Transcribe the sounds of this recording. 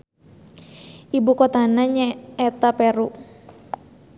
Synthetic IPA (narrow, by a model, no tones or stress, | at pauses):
ʔibukɔt̪anaɲaɛt̪apɛɾu